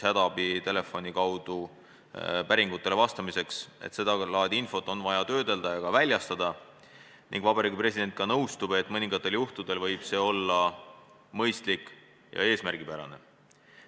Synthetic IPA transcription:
hæd̪̥ɑb̥it̪e̞le̞fːo̞nʲikɑwd̪̥u | pæɾiŋɡut̪ˑːe̞le̞vɑst̪ɑmise̞kse̞̰t̪se̞d̪̥ɑlɑːd̪̥ʲiinfo̞t̪ːˑo̞nvɑjɑt̪øːd̪e̞ld̪̥ɑjɑkɑvælʲjɑst̪ɑd̪̥ɑ | nḭŋɡ̥vɑbɑɾiːɡipre̞sʲid̪̥e̞nt̪̚kɑnɤwst̪ub̥e̞t̪ːˑmɤnʲiŋɡ̥ɑt̪ːˑe̞ljuht̪ud̪̥e̞lvɤjb̥se̞ːo̞lːɑ | mɤjst̪likːˑ | jɑ̰e̞ːsmærɡ̥ipæɾɑ̰ne̞

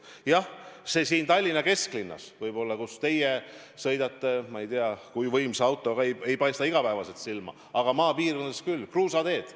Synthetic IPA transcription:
jɑhse̞siːnt̪ɑlʲːinɑke̞sklinːɑ̰svɤjb̥o̞lːɑkust̪e̞je | sɤjd̪ɑt̪ːe̞mɑejt̪eɑkujvɤjmseɑwt̪ˑːo̞ɡɑeje̞jpɑjst̪ɑiɡ̥ɑpæːvɑse̞t̪silmɑ̰ | ɑɡ̥ɑmɑːpiːrkonːeskylːkruːsɑd̪e̞ːd̪̥

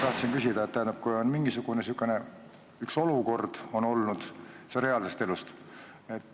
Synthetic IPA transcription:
t̪ɑht̪sinkysʲid̪̥ɑet̪ːæjːnɑb̥̚kujo̞nmiŋɡ̥isuɡ̥unesukːˑene̞ | ykso̞luko̞rd̪̥o̞no̞lnud̪̥sɾe̞ɑlse̞st̪e̞lust̪ | et̪ː

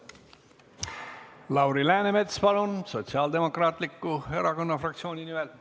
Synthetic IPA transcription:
lɑwɾilæːnemet̪spɑlunso̞t̪siɑːld̪e̞mo̞krɑːt̪ˑlikːue̞ɾɑko̞nːɑfrɑk̚t̪sio̞ːnʲinimɛl

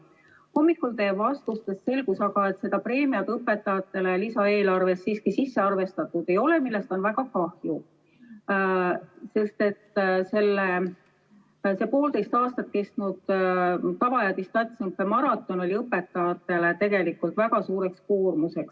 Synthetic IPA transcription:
ho̞mːikːˑult̪e̞ːbvɑst̪ust̪est̪se̞lɡusɑɡ̥ɑe̞t̪se̞d̪ɑpre̞ːmiɑt̪ɤpːe̞t̪ːˑɑjɑt̪ːˑe̞lelisɑe̞ːlɑrve̞sːiːskisisːeɑrve̞st̪ɑt̪ːˑud̪e̞jo̞le̞milːe̞st̪o̞nvæɡ̥ɑkɑhju | se̞st̪e̞t̪se̞lːe | se̞po̞ːld̪e̞jst̪ɑːst̪ɑt̪̚ːke̞st̪nud̪̥ | t̪ɑvɑjɑd̪ist̪ɑt̪ʲsimp̪ːemɑɾɑt̪ːˑo̞no̞lʲiɤpːe̞t̪ːˑɑjɑt̪ːˑe̞let̪e̞ɡe̞likult̪væɡ̥ɑsuːɾe̞ksko̞ːrmuse̞ks

